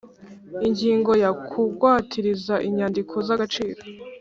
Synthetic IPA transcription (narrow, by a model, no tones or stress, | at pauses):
iɲɟiːŋɡo̞jakʰuɡwaːtʰiɾizaʔiɲaːndikʰo̞zaɡat͡ʃiːɾo